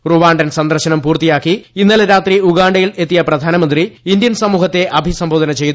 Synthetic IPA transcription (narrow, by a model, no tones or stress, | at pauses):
ruʋaːɳɖɐnsɐnd̪ɐrɕɐnɐmpuːrt̪ijaːkːiinːɐleɾaːt̪riuɡaːɳɖɐjiɭe̞t̪ːijɐprɐd̪ʱaːnɐmɐnd̪riind̪jɐnsɐmuːɦɐt̪ːe̞ʔɐbʱisɐmbʱoːd̪ɐnɐt͡ɕe̞jt̪